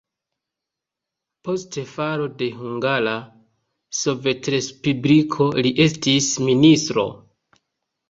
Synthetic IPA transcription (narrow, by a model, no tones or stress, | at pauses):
po̞stefaɾo̞de̞ɦuŋɡala | so̞ve̞tɾe̞spublikʰo̞liʔe̞stisministɾo̞̰